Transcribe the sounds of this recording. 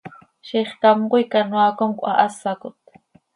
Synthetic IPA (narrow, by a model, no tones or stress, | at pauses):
ʃiχk̪amqʊjkanwakomkʷʼʔaʔasakʊt̪